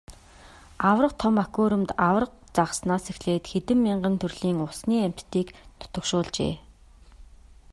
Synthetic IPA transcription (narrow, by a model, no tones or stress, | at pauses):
awrə̆qt̪ʰɔmakoːɾɵ̆mt̪aw̆rə̆q̚ | t͡saʁəsnaːsexɮeːt̪xet̪ɘ̆mːiɴɢə̆nt̪ʰɵrɮiːŋʊsniːæm̥ʲt̪ːiːknʊ̥t̪ɵ̆kʃʊːɮt͡ɕḛː